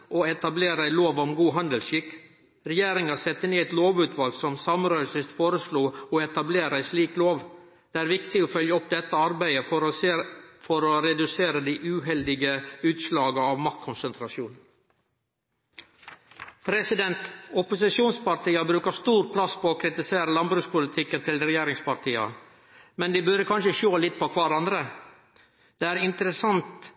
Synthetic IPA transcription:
ʔoːɛt̪ɑbleːɾəæɪloːʋɔmɡuːɦɑnd̪əlʃɪkː | ɾɛjeːɾɪŋɑsɛt̪ːəneːɛt̪loːʋʉːt̪ʰʋɑlɡsɔmsɑmɾœʏsɪst̪foːɾəsluːɔɛt̪ɑbleːɾæɪsliːkloːʋ | d̪̥ɛːæːɾʋɪkt̪ɪoːfœljəɔp̚d̪ɛt̪ːəɑɾbæɪə | fɔɾoːɾɛd̪ʉseːɾəd̪iːʔʉːɦɛld̪ɪɡəʉːt̪ʃlɑːɡəɑːʋmɑk̚t̪̚kʰʊnsənt̪ʰɾɑʃuːn | pʰɾɛsɪd̪ɛnt̪ɔpʊsɪʃjuːnspɑɾʈ̪iːɑbɾʉːkəst̪uːɾpʰlɑspʰoːkʰɾɪt̪ɪseːɾəlɑnbɾʉːspʊlɪt̪ʰɪkːənt̪ʰɪlɾɛjeːɾɪŋspɑɾʈ̪ʰiːɑ̰ | mɛnd̪iːbʉɾəkʰɑnʃəʃoːlɪt̪̚ːpɔːkʰʋɑɾɑnd̪ɾə | d̪̥eːæːɾɪnt̪əɾəsɑnt̪

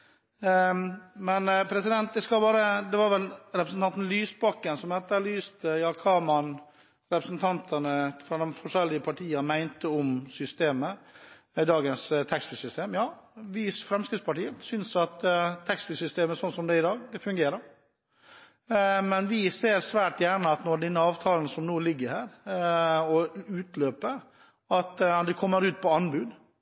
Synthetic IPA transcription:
mɛnpʰɾɛsɪd̪ɛnt̪̚d̪ɛskɑlbɑːɾəd̪ɛʋɑɾʋɛlɾɛpɾəsn̩t̪ɑnt̪n̩lyːsbɑkːənsɔmhɛt̪ːəlyːst̪əjɑːkʰɑːmɑn | ɾɛpɾəsnt̪ʰɑnt̪ʰənəfɾɑd̪ɛmfɔʂɛlːɪəpʰɑʈʰiːɑmæɪnt̪əɔmsʏst̪eːmə | d̪ɑːɡənst̪ʰɛkspɪsʏst̪eːmjɑːʋɪsfɾɛmskɾɪt̪spɑʈiːəsʏnsɑt̪t̪ʰːɛkspɪsʏst̪eːməsɔnsɔmd̪ɛɪd̪ɑːɡd̪ɛfʉŋɡeːɾəɾ | mɛnʋɪseːɾsʋæːʈjæːɳəɑt̪nɔɖ̪ɛnːəɑːʋt̪ʰɑːln̩sɔmnoːlɪɡːəhæːɾ | ɔʉːt̪løːpə | ɑt̪d̪ɛkʰɔmːəɾʉːt̪̚pʰɔɑnbʉːd̪

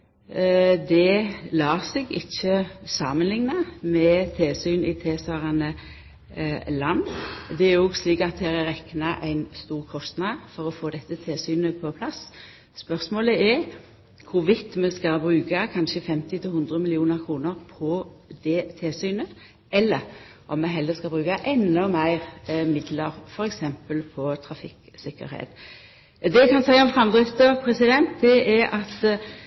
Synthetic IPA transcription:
d̪ɛlɑːsɛɡɪçːəsɑːmənlɪŋnɑmɛt̪ʰeːsyːnɪt̪ʰeːsɑʁɑnə | lɑnːd̪ɛɛɾɔɡsliːkɑt̪̚d̪hæːɾɛʁɛknɑʔæɪnst̪uːʁkʰɔst̪nɑd̪fɔʁɔfoːd̪ɛt̪ːət̪ʰeːsyːnəpʰɔpʰlɑsː | pœʁsmoːləɛɾ | kʰʊʋɪt̪ːmɛskɑbɾʉːkɑkʰɑnʃəfɛmt̪ɪt̪ʰɪlhʉnd̪ʁəmɪlɪuːnəɾkʰɾuːnəʁpʰɔ | d̪ɛt̪ʰɪlsyːnə | ɛlːəɾ | ʔɔmmɛɦɛlːəskɑbɾʉːkɑʔɛnːɔmæɪʁmɪd̪ləɾfɔɾɛksɛmpəlpʰɔt̪ʰɾɑfɪk | sɪkːə̰ɾhḛːt̪ | d̪ɛɛkʰɑnsæɪɔmfʁɑmd̪ʁɪt̪əpʰɾɛsɪd̪ɛnt̪d̪ɛɛɑt̪

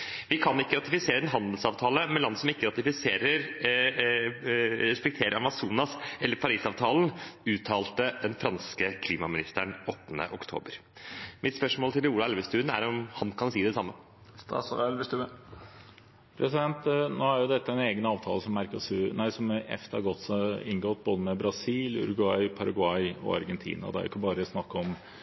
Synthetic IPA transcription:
ʋɪkʰɑnɪkːəɾɑt̪ɪfɪseːɾəd̪ɛnɦɑnd̪lsɑːʋt̪ʰɑːləmɛnlɑnːəsɔmɪkːəɾɑt̪ɪfɪseːɾəɾ | ɾɛspɛk̚t̪ʰeːɾəɾɑmɑsuːnɑsɛlːəɾpʰɑɾiːsɑːʋt̪ʰɑːln̩ʉːt̪ʰɑːlt̪əd̪ɛnfɾɑnskəkʰliːmɑmɪnɪst̪əɳɔt̪ːənə̰ʔɔkt̪ʰo̰ːbəɾmʔɪt̪spœʂmoːlt̪ʰɪluːlɑɛlʋəst̪ʉːnæ̰ɾɔmhɑnkʰɑnsiːd̪ɛsɑmːə | st̪ɑ̰ːsulɛlʋəst̪ʉːə | pʰɾʔɛsɪd̪ɛnt̪noːæɾjʊd̪ɛt̪ːəɛneːɡənɑːʋt̪ʰɑːləsɔmːæɾkɔsnæɪsɔmɛ̰ft̪əɑ̰ɾɡɔt̪ːsɪnɡɔt̪̚ːboːd̪əmɛbɾɑsiːlʉ̰ɾʊɡʉɑɪpʰɑɾɑɡʊɑɪɔ̰ɑ̰ɾɡɛnt̪ʰḭːnɑ̰d̪ɛæ̰ɾʔɪ̰kːəbɑːɾəsnɑkːəɔm

